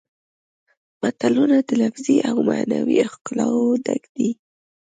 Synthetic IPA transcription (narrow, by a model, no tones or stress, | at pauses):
mat̪alunad̪əlafziʔawmanawixkʊlɑwd̪aɡd̪i